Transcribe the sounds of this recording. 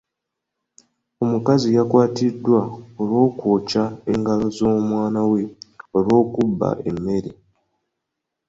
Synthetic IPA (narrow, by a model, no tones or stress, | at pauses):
o̞mukazijakwaːtidwaoɾwo̞ːkwoːcaeŋɡalo̞zomwaːnawe̞olwo̞ːkubːa̰ʔe̞̰mːe̞ɾe